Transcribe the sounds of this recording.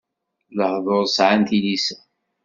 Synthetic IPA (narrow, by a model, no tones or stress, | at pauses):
ləhðˤoɾˤsʕanθilisæ